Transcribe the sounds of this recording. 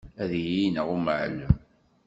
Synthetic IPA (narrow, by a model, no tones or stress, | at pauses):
æðjinəʁuməʕlə